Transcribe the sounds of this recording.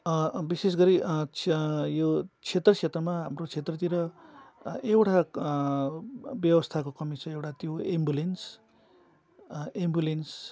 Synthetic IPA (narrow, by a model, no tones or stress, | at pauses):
bises̬ɡʌɾi | jot͡sʰet̪rʌt͡sʰet̪rʌmaɦamrot͡sʰet̪rʌt̪̬iɾʌ | ewʈʰa | bjʌwʌst̪ʰakokʌmit͡sʰʌewʈat̪joembjulens | embjulens